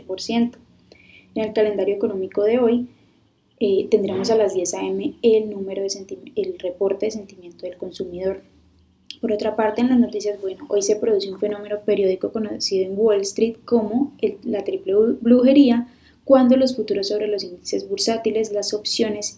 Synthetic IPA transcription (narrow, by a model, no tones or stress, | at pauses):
poɾsje̞nt̪o̥ | ene̞lkale̞nd̪aɾjoeko̞no̞miko̞ð̞e̞o̞j | et̪e̞nd̪ɾe̞mo̞s̬alazd̪je̞sae̞me̞elnume̞ɾo̞ð̞esent̪ielre̞po̞ɾt̪e̞ðe̞s̬e̞nt̪imje̞nt̪o̞ðelko̞nsumiðo̞ɾ | po̞ɾo̞t̪ɾapaɾt̪eːnlazno̞t̪is̬jazbwe̞noʔo̞jse̞pɾo̞ð̞useuɱfe̞no̞me̞no̞pe̞ɾjo̞ðiko̞ko̞nosiðoe̞ŋɡwolst̪ɾit̪̚ko̞mo̞elat̪ɾiple̞bluxe̞ɾia | kwand̪o̞lo̞sfut̪uɾo̞sːo̞βɾe̞lo̞sind̪ise̞zbuɾsat̪ile̞slaso̞psjo̞ne̞s